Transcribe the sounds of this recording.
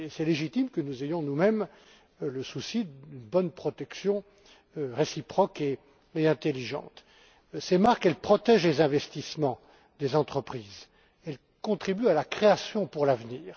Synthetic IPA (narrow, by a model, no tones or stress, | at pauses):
esɛleʒit̪imkənuzejɔ̃numɛm | ləsusiynbɔnpχɔt̪ɛksjɔ̃ | ʁesipχɔke | eɛ̃t̪eliʒɑ̰̃t̪ | semaʁkɛlpχɔt̪ɛʒlezɛ̃vɛst̪ismɑ̃ | d̪ezɑ̃t̪χəpχiːz | ɛl | kɔ̃t̪χibyalakχeasjɔ̃puʁlavniːʁ